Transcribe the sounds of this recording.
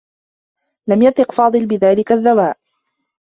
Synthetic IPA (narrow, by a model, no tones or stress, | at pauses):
lamjaθɨqfɑːd̪ˤɨlbɪðaːlɪkaðːawaːʔ